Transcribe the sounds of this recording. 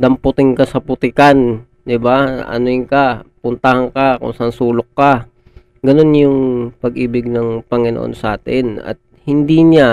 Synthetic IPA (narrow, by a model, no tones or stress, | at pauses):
d̪ɐmpʊt̪ɪŋkɐsɐpʊt̪ɪkan | d̪ɪbaʔɐ̰noɪŋkapʊnt̪ahɐŋkakʊ̰ŋsɐʔɐnsuːlok̚ːa | ɡɐno̞njʊŋpɐɡʔiːbɪɡ̚nɐŋpɐŋɪno̰ʔo̰nsɐʔa̰ːt̪ɪnɐ̰t̪̚hɪnd̪iɲa